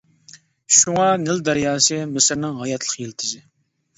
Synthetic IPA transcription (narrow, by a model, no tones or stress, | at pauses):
ʃuŋɑnɪld̪æɾjɑːsɨmɪsɪɾnɪŋɦɑjɑt̪ʰlˠəqjelt̪ʰɪzɪ